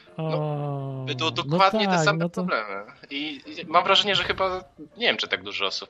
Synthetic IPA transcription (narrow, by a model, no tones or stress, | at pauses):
ɔɔbɛd̪ɔd̪ɔnk̪wwad̪t̪ɲɛaɛssamnɛɔt̪ɾɔblɛmɘimamvɾaʐɛɲɛʐɛxɘbaɲevʲjɛmt͡ʂɨt̪aɡ̚d̪uʐɔɔsup